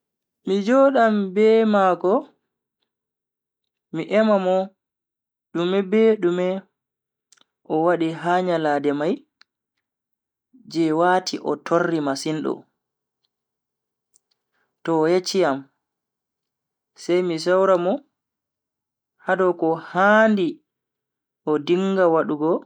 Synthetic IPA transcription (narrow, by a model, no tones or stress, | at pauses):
mid͡ʒɔːɗambɛmaːkɔ | miʔɛmamɔ | ɗumɛbɛɗumɛ | ʔɔwaɗiɦaːɲalaːdɛmaj | d͡ʒɛwaːtʰiʔɔ̰tʰorːimasinɗɔ̰ | tɔjet͡ʃːijam | sɛjmis̬awɾamɔ | hadɔkɔhandi | ʔɔdiŋːɡawaɗuɡɔ